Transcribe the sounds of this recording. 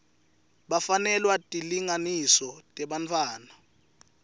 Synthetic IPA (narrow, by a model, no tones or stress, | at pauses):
ɓafanɛlwatʼiliŋanisɔtʼɛɓant͡fʰwaːna